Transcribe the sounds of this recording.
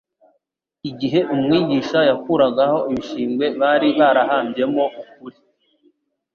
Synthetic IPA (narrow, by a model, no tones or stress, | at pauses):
iɟiɦe̞ʔumŋiːɟiʃajakuɾaɡaho̞iβiʃiːmɡwe̞βaːɾiβaɾaɦaːmbije̞mo̞uk̚uɾi